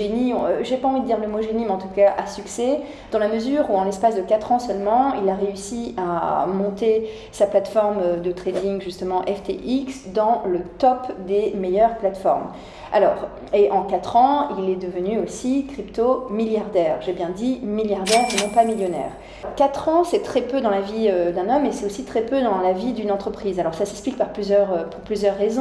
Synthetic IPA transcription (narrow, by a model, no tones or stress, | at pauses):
eniɔ̃ʒepaɑ̃vid̪əd̪iʁləmoʒenimɑ̃t̪ukaʔasyksɛ | d̪̥ɑ̃laməzyʁuɑ̃lɛspasd̪əkat̪χɑ̃sœlmɑ̃ilaʁeysia̰mɔ̃t̪e | saplat̪fɔʁmd̪ət̪χed̪iŋʒyst̪əmɑ̃ʔɛft̪ḛʔiksd̪ɑ̃lət̪ɔpd̪emejœʁplat̪fɔ̰ʁm | a̰lɔːʁ | eʔɑ̃kat̪χɑ̃ilɛd̪əvənyosikχipt̪omiljaʁd̪ɛːʁʒebjɛ̃d̪imiljaʁd̪ɛʁenɔ̃pamiljɔnɛ̰ːʁ | kat̪χɑ̃sɛt̪χɛpød̪ɑ̃laviød̪ɛ̃nɔmesɛt̪osit̪χɛpød̪ɑ̃lavid̪ynɑ̃t̪χəpχizalɔʁsasɛksplik̚paʁplyzjœʁøpuʁplyzjœʁːezɔ̃